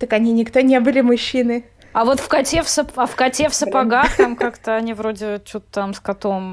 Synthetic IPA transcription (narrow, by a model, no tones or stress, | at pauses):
t̪əkɐnʲinʲɪkt̪onʲe̞bɨlʲɪmʊɕːinɨ | ɐvo̞t̪fkɐtʲefsəpɐfkɐtʲefsəpɐɡaxt̪amk̪akt̪əɐnʲivɾodʲɪt͡ɕut̪ə̥t̪amskɐt̪om